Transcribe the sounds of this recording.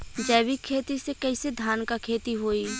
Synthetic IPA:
d͡ʒɛːʋikʰːeːt̪isekɐɪsed̪ʱaːnkakʰeːt̪iɦoːi

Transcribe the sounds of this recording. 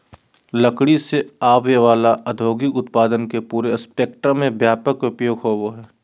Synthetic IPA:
ləkɽiseaːʋjeʋaːlaʔəd̪ʱoːɡɪkʊt̪̚paːd̪ənkepuːɾespeːk̚ʈɾəmẽbjaːpəkʊpjoːɡɦoːʋoɦɛː

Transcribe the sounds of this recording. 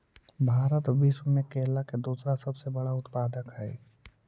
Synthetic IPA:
bʱaːɾət̪biːsmẽkeːlaked̪uːsɾasɐbsebɐɽaʊt̪paːd̪əkɦɛː

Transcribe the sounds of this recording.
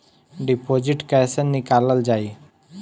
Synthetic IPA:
ɖipoːd͡ʒɪʈkɛsənːɪkaːləld͡ʒaːi

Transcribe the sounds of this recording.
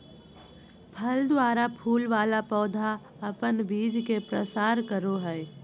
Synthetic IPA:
pʰəld̪waːɾapʰuːlʋaːlapɔːd̪ʱa | əpənbiːd͡ʒkepɾəsaːɾkəɾoɦɛː

